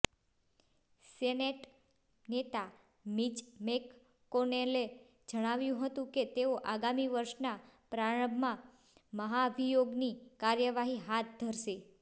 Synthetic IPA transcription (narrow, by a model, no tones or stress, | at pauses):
seneʈ | net̪a | mit͡ʃmekː | onele | d͡ʒəɽ̃aʋjũɦət̪ũket̪eoʔaɡamiʋəɾʃnapɾaɽə̃mmã | məɦaʋijoɡnikaɾjəʋaɦiɦat̪̚d̪ʱəɾʃe